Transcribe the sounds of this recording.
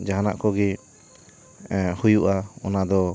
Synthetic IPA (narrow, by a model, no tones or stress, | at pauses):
d͡ʒaɦana̰ʔkɔɡɛ | hujuʔaɔnad̪ɔ